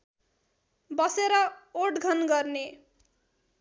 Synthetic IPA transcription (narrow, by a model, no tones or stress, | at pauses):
bʌseɾʌoʈɡʱʌnɡʌrne